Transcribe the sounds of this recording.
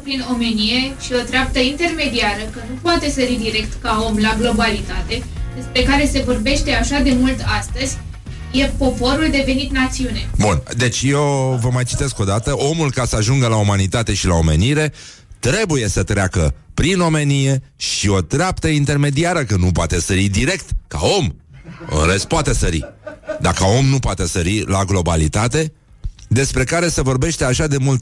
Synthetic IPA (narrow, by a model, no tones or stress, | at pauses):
pɾino̞me̞nije̞ʃio̞t̪ɾeap̚t̪əint̪e̞rme̞d̪iaɾəkənupoat̪e̞səɾid̪iɾe̞kt̪kao̞mlaɡlo̞balit̪at̪e̞d̪e̞spɾe̞kaɾe̞se̞vo̞rbe̞ʃt̪e̞aʃad̪e̞mult̪ast̪əzʲ | je̞po̞po̞ɾuld̪e̞ve̞nit̪nat̪siune̞bund̪e̞t͡ʃʲjewvəmajt͡ʃit̪e̞sko̞d̪at̪əʔo̞mulkasəaʒuŋɡəlaumanit̪at̪e̞ʃilao̞me̞̰niɾe̞ | t̪ɾe̞buje̞sət̪ɾeakəpɾino̞me̞nije̞ | ʃio̞t̪ɾeap̚t̪əint̪e̞rme̞d̪iaɾəkənup̬wat̪e̞səɾid̪iɾe̞k̚t̪ka̰o̞mə̰ɾespoat̪e̞səɾḭd̪akəo̞mnupoat̪e̞səɾilaɡlo̞balit̪at̪e̞ | d̪e̞spɾe̞kaɾe̞se̞vo̞rbe̞ʃt̪e̞aʃad̪e̞mult̪